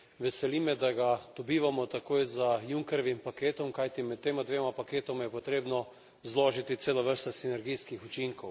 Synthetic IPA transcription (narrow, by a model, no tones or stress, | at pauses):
ʋɛsɛliːmɛd̪aɡad̪̥ɔbiːʋamɔt̪akoːjzajuŋkɛɾɔʋimpakeːt̪ɔmkajt̪imɛt̪ːeːmad̪ʋeːmapakeːt̪ɔmajɛpɔt̪ɾeːbnɔ | zloːʒit̪it̪seːlaʋəɾst̪asinɛɾɡijskixut͡ʃiŋkɔw